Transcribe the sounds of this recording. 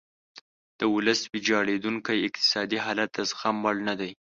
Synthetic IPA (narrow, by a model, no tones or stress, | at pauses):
d̪̥əwʊləswɪd͡ʒɑɽed̪uŋkajɪq̚t̪ɪ̥sɑd̪iɦɑlat̪ːasxamwalnad̪aj